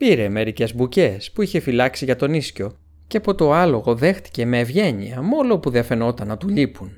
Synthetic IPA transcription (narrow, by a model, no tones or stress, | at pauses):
piɾe̞me̞ɾice̞zbuce̞spuiçe̞filɐksiʝɐt̪o̞nisco̞ | ceɐpo̞t̪o̞ɐlo̞ɣo̞ðe̞xt̪i̥ce̞me̞ːvʝe̞ɲiɐmo̞lo̞puðiɐfe̞no̞t̪ɐnːɐt̪uʎipun